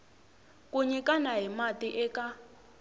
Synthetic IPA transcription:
kʼuɲikʼanaɦimatʼiʔɛka

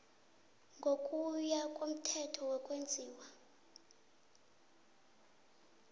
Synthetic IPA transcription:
ŋɡʱokʼujakʼom̩tʰɛtʰɔwɛkʼwend͡zʱiːwa

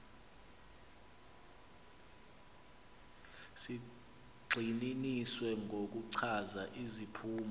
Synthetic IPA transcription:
si | ɡ͡ǀʱininiswɛŋʱok̬uǀʰazaʔizipʰuːm

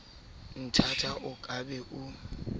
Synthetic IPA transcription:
n̩tʰatʰaʔʊkʼabɛʔʊ

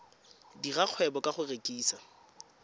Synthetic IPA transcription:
diraq͡χʰwɛbɔkʼaχʊrekʼiːsa

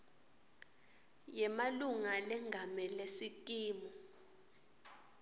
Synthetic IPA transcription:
jɛmaluŋalɛŋɡʱamɛlesikʼiːmɔ

